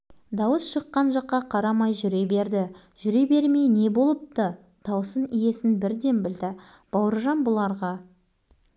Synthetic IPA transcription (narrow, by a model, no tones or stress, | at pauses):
d̪ɑwəsʃəqːɑnʒɑqːɑqʰɑɾɑmɑjʒʏɾe̞be̞ɾd̪ɪ | ʒʏɾe̞be̞ɾme̞jne̞bo̞lˠəp̚t̪ə | d̪̥ɑwsənije̞sɪnbɪɾd̪e̞nbɪld̪ɪ | b̥ɑwəɾʒɑnbʊlˠɑɾʁɑ